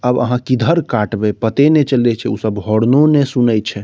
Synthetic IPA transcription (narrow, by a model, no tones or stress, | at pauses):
əbə̰ɦãkid̪ʱəɾkaʈbɛpət̪enet͡ʃəlɛt͡ʃʰɛusəbɦɔɽnonesunəjt͡ʃʰɛ